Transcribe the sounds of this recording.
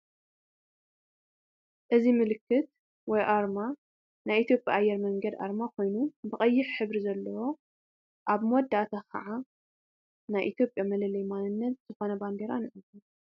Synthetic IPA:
ʔɨzimɨlɨkːɨt̪̚ | wɔjʔaɾma | najʔit̪ʰjo̞pʼja̰ʔːjːɛɾmɐŋɡɐd̪a̰ɾmakʰo̞jnubɨkʼɐjːɪħħɨβɾizɐlːɐwo̞ | ʔaβmod̪ːat̪ʰakʰɐ̰ʕa | najʔit̪ʰjo̞pʼjamɐlɐlɐjmanɨnːɐt̪̚z̥ɨxo̞nɐband̪eɾanɨʕɨzu

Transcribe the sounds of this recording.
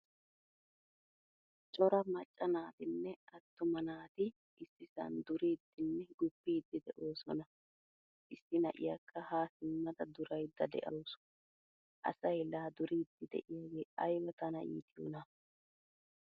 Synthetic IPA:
t͡ʃʼɔɾɐmɐt͡ʃʼːɐnaːt̪ɪnːɛɐt̪ːʊmɐnaːt̪ɪ | ʔɪsːɪsɐ̰nd̪ʊɾiːd̪ːɪnːɛɡʊpːiːd̪ːɪd̪ɛʔo̞ːsɔnɐ | ʔɪsːɪnɐʔɪ̰jaːkʰːɐhaːsɪmːɐd̪ɐd̪ʊɾɐjd̪ːɐd̪ɛ̰ʔɐwsʊ̥ | ʔɐ̰sɐjlaːd̪ʊɾiːd̪ːɪd̪ɛ̰ʔɪjaːɡe̞ːʔɐjwɐt̪ɐnɐ̰jḭːt̪ɪjo̰ːnɐ

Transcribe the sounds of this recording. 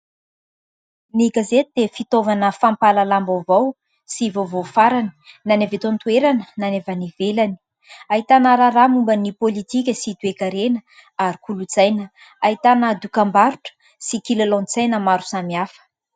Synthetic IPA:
miɡazet̪ud̪efit̪ovanəfampalalambavow | sivovofaɾani̥nanevet̪ont̪ueɾanənanevanivelani̥ | aɦit̪anəɾaɾamumbənipolit̪ik̬ʲəsid̪uekaɾenə | aɾikulud͡zajnə | ait̪anəd̪ukambaɾuʈ͡ʂə̥ | sikilelõnt͡sajnəmaɾu̥samiafə̥

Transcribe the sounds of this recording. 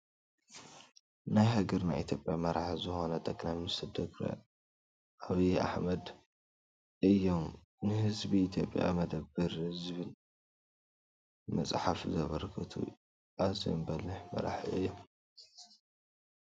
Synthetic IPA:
najɦɐɡɐɾna̰jʔit̪ʰjo̞pʼjamɐɾaħzɨxonɐt̪ʰʼɐkʼlamnist̪ɨd̪ɐɡɾɐ̰ | ʔaβiʔa̰ħmɐd̪ | ɨjːo̞m | nɨhɨzbiit̪ʰjo̞̰pʼja̰mɐd̪ɐbːɨɾhɨzβɨn | mɐt͡sʼħafzɐβɐɾkʰɨt̪ʰṵ | ʔazḭmbɐlɨħmɐ̰ɾa̰ħʔɨjːom

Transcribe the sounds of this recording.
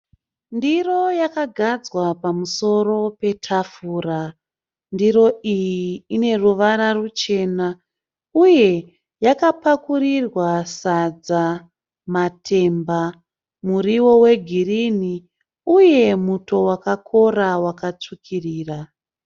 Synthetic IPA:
ndiro̞jakaɡʱad͡zwapamuso̞ro̞pe̞tʰafura | ndiɾo̞ijiːne̞ruʋaɾarut͡ʃe̞ːna | uje̞ | jakapakurirwasad͡za | matʰe̞mba | muriwo̞we̞ɡʱirini | uje̞muto̞wakakʰo̞rawakat͡ʂukʰiriːra

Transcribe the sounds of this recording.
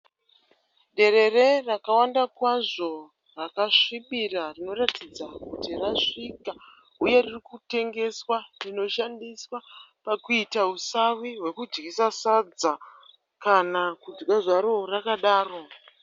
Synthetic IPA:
ɗe̞ɾe̞re̞rakawandakwaʐo̞ | rakaʂiɓirarino̞ratid͡zakutiraʂika | uje̞ririkute̞ŋɡe̞swarino̞ʃandiswapakuitausawiɦwe̞kud͡ʒɡisasad͡za | kanakud͡zɡaʐaɾo̞rakaɗaːro̞

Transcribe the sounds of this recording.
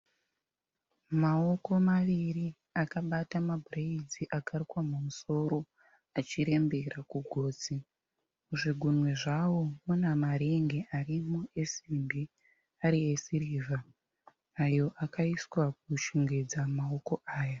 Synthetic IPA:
mao̞ko̞maʋiri | akaɓatamabʱureid͡ziʔakarikwamumuso̞ɾo̞ | at͡ʃiɾe̞mbe̞rakuɡʱo̞ːd͡zi | muʐiɡʱunwe̞ʐawo̞munamaɾeŋɡe̞ʔarimue̞simbʱi | aɾiesiriːvʱa | ajo̞ʔakaiswak̚uʃiŋɡed͡zamao̞ko̞ʔaːja

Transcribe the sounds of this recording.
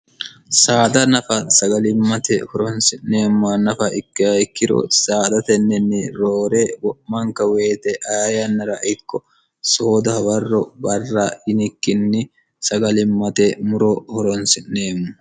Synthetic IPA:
saːd̪ɐnɐfɐsɐɡɐlɪmːɐt̪ɛhɔɾɔnsɪnneːmːɐnɐfɐɪkːɪhɐjkːɪd̪ɔ̰saːd̪ɐt̪ɛnːɛnːɪɾoːɾɛwɔʔmɐŋkːɐweːt̪ɛʔɐjɐnːɐɾɐʔɪkːɔ | soːd̪ɔhɐwɐrːɔbɐrːɐɪnɪkːɪnːɪ | sɐɡɐlɪmːɐt̪ɛmʊɾɔhɔɾɔnsɪnːeːmːɐ

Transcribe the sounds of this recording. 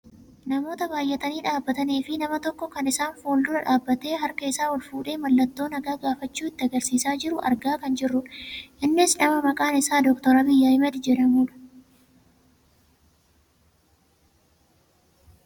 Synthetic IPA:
nɐmo̞ːt̪ɐbaːjʔɛt̪ɐniːᶑaːbːɐt̪ɐneːfɪnɐmɐt̪ɔkːɔkɐnɪsaːnfoːld̪ʊɾɐᶑaːbːɐt̪e̞ːɦɐɾkɐɪsaːɔlfuːᶑe̞ːmɐlːɐt̪ːo̞ːnɐɡaːɡaːfɐt͡ʃːuːɪt̪ːɪɐɡɐɾsiːsaːd͡ʒɪɾʊʔɐ̰ɾɡaːkɐnd͡ʒɪrːʊᶑʔɪnːɪsnɐmɐmɐkʼaːnɪsaːd̪ɔkt̪ɔɾɐbɪjːaːɪmɐt̪ɪd͡ʒɛᶑɐmuːᶑɐ̥

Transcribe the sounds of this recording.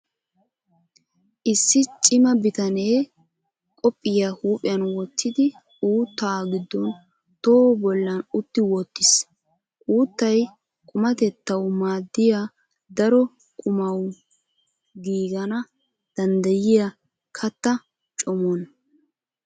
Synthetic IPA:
ʔɪsːɪt͡ʃʼɪmɐbɪt̪ɐneː | kʼɔpʼːɪjahuːpʼɪjɐnwɔt̪ːɪd̪ɪ | uːt̪ːaːɡɪd̪ːɔn | t̪oːbɔlːɐnʊt̪ːɪwɔt̪ːɪs | ʔʼuːt̪ːɐj | kʼʊmɐt̪ɛt̪ːɐwmaːd̪ːɪjaː | d̪ɐɾɔ | kʼʊmɐw | ɡiːɡɐnɐ | d̪̥ɐnd̪ɐjɪjɐ | kʰɐt̪ːɐ | t͡ʃʼɔmɔn

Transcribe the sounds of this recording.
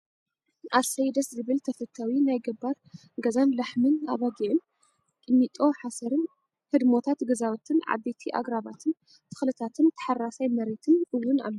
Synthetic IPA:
ʔasɐjd̪ɐszɨβɨlt̪ʰɐfɐt̪ʰːawinajɡɨbaɾ | ɡɐzanlaħmɨna̰βaɡiʕɨn | k̪ʼɨmːit̪ʼo̞ħasɐɾɨn | hɨd̪mo̞t̪ʰat̪ɡɐzawt̪ʰɨnʕa̰d̪et̪ʰiʔa̰ɡɾaβat̪ʰɨn | t̪ʰɨ̥xlɨt̪ʰat̪ʰɨnt̪ʰɐ̥ħarasajmɐɾet̪ʰɨnʔɨwːuna̰lːɐ

